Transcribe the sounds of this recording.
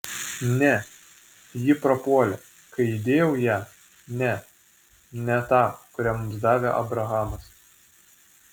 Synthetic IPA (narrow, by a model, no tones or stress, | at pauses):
nʲɛ | jɪpɾɐpuɔlʲɛ | kɐɪɪd̪ʲeːjɛʊjæː | nʲɛ | nʲɛt̪ɑːkʊɾʲæmʊmsd̪ɑːʋʲeʔɐ̰bɾɐɣɑːmɐs